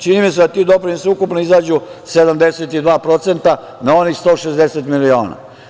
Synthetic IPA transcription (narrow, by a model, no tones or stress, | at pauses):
t͡ʃiniːmised̪at̪iːd̪o̞pɾinosiukupnoizaːd͡ʑuse̞d̪amd̪eset̪id̪ʋaːpɾo̞t̪sent̪a | nao̞nixst̪oʃezd̪eset̪milio̞̰ːna̰